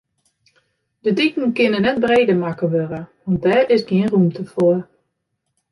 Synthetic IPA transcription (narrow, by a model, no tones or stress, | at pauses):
dədikn̩kɪnənɛt̚breːdəmakəʋøɾəʋɑnt̚dɛːrɪsɡiənrumtʰəfoə